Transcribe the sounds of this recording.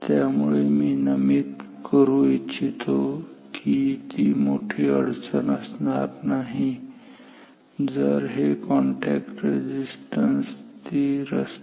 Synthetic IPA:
t̪jamuɭemiːnəmit̪ | kəɾuit͡ɕʰit̪ʰokʰit̪iːmoʈʰiəɽt͡sənəsnat̪naɦi | d͡zəɾɦekɔɳʈɛkʈɾed͡ʑisʈənst̪iɾəs

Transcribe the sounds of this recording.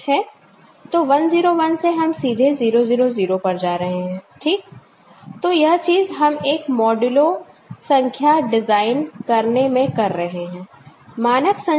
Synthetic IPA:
ɦɛː | t̪oːʋɐnziːɾoʋɐnseɦɐmsiːd̪ʱeziːɾoziːɾoziːɾopɐɾd͡ʒaːɾɐɦeɦɛ̃ːʈʰiːk̚ | t̪oːjɐɦt͡ʃiːzɦɐmeːkmɔːɖʊlo | sɐ̃ŋkʰjaɖɪzaːɪnkɐɾnemẽkɐɾːɐɦeɦɛ̃ː | maːnəksɐ̃

